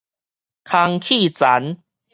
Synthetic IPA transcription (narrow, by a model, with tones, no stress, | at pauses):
kʰa˧ŋkʰi˥˨t͡sa˨˦n